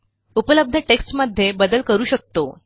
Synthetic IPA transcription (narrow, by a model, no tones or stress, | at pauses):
upələb̚d̪ʱəʈeksʈməd̪ʱːjebəd̪əlkəɾuːɕək̚t̪o